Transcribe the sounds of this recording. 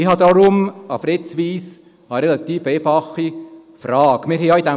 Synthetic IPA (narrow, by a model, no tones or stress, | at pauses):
ɪhɑd̪ɑɾʊmɑfɾet͡sʋiːs | ɑɾɛlɑt̪iːfeːfɑχifrɑːɡ̥mɪɾɦɛjɑid̥̪ɛ